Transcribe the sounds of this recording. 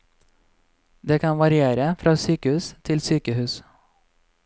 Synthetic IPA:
d̪eːkʰɑnʋɑɾɪeːɾəfɾʔɑːsyːkəhʉːst̪ʰɪlsyːkəhʉːs

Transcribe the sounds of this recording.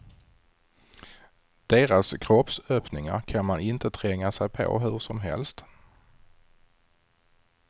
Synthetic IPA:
d̪̥eːɾaskʰɾɔpsœːpnɪŋa̰ɾkʰanmanɪnt̪ət̪ʰɾɛŋːasɛjpʰo̰ɦɵʂɔmɦɛ̰lst̪

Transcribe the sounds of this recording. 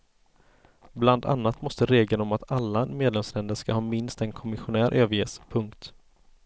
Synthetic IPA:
bland̪a̰nːat̪mɔst̪əɾeːɡlənɔmat̪alːameːd̪lɛmslɛnd̪əɾʂkahɑːmɪnst̪ɛnkʰɔmɪɧʊnæːɾʔøːvəɾjeːspʰɵŋkt̪

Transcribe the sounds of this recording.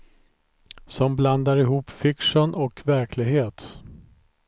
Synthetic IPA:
sɔmbland̪aɾɪɦuːpfɪkʂənʔɔkvæɾkʰlɪɡɦeːt̪

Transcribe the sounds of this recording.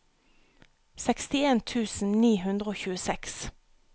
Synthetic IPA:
sɛkst̪ɪeːnt̪ʰʉːsn̩niːhʉnd̪ʁəoːçʉːəsɛks

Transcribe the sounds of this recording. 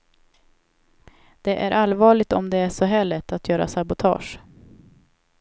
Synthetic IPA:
d̪̥ɛʔæɾʔalvɑːɭɪɡt̪ɔmd̪ɛæʂɔɦɛlːət̪ʰat̪jœːɾa̰sabʊt̪ʰɑ̰ːʂ

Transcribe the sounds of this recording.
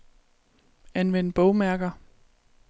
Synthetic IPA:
ænʋen̰̥b̥ɔʊmæɐɡ̥ɐ

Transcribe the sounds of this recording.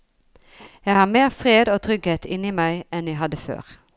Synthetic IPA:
jæɪhɑːmeːʁfʁeːd̪oːt̪ʰʁʏɡheːt̪ɪniːmæɪɛnjæɪɦɑd̪əfø̰ːʁ

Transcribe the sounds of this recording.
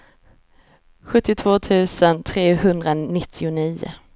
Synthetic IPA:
ɧɵt̪ːɪt̪ʰv̥oːt̪ʰʉ̟ːsənt̪ʰɾeːhɵnd̪ɾanɪt̪ʰːɪʊniːʊ̰

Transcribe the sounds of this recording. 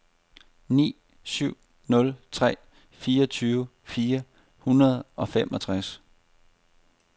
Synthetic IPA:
nḭː | syʊ̰ | nɔ̽lt͡sʰʁɛ̰ː | fiːɐʌt͡sʰyːʊə | fiːɐ | hunɐð̞ˠʔɒ̽femʔɒ̽t͡sʰʁas

